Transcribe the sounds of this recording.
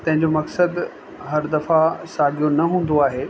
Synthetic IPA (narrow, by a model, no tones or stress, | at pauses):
t̪ɐ̃ɦɪ̃ɲ̆d͡ʑomɐksəd̪ | ɦɐɾd̪ɐfasaːɡʱijonɐɦũːn̆d̪oaːɦeː